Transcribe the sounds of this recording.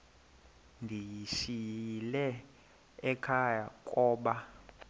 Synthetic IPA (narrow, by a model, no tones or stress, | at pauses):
ndʱijiʃilɛ | ɛkʰajakʼɔːɓa